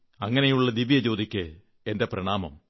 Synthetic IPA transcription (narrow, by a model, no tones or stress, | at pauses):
ɐŋːɐnejuɭːɐd̪iʋijɐt͡ɕo̞ːd̪ikʲːɨ | ende̞prɐɳaːmɐ̰m